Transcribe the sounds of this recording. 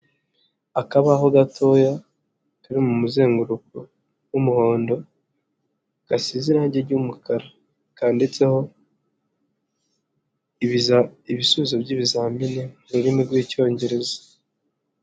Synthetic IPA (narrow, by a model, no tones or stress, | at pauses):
akaβaɦo̞ɡatʰo̞ːja | kaɾimumuze̞ːŋɡuɾuku | wumuho̞ːndo̞ | ɡ̥asiziɾaːɲɟeɾɟumukaɾa | kaːnde̞t͡se̞ho̞ | iβisuβizobɟiːβizaːminemuɾuɾimiɡwiːco̞ːɲɟe̞ɾe̞zḁ